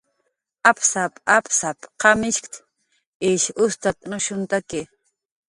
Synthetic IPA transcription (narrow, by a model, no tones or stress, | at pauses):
apsapʼapsapqɑmɪʃkt̪ | ɪʃʊst̪at̪nʊʃʊnt̪akɪ